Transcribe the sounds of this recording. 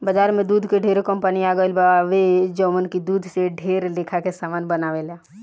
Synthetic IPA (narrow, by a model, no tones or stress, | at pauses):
bəd͡ʒaːɾmẽd̪uːd̪ʱkeɖʱeːɾokəmpəniaːɡəɪlbaʋed͡ʒɔːmənkid̪uːd̪ʱseɖʱeːɾleːkʰakesaːmaːnbənaːʋelaː